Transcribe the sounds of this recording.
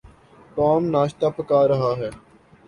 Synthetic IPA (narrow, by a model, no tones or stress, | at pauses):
t̪ɔːmnaːʃt̪aːpəkaːɾəɦaːɦɛː